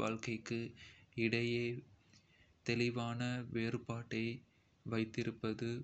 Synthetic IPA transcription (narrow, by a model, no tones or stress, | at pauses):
a̰ːlkɐɪkːɯɪɽɐjɐː | t̪ɛlɪʋaːnɐʋeːrɯpaːʈːɐɪ | ʋɐɪt̪ːɪɾɯpːɐðɯ